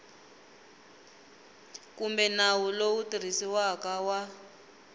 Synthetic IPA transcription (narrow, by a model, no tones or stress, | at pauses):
kumbɛnawulowutir̤isiwakawa